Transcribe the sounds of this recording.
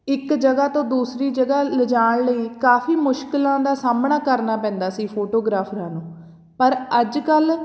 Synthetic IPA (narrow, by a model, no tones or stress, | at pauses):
ɪkd͡ʒəɡaːt̪õːd̪uːsɾiːd͡ʒəɡaːləd͡ʒaːɳləiːkaːfiːmʊʃkɪlãːd̪aːsaːmɳaːkəɾnaːpɛ̃ːnd̪aːsiːpʰoːʈoːɡɾaːpʰɾãːnũː | pəɾəd͡ʒkəl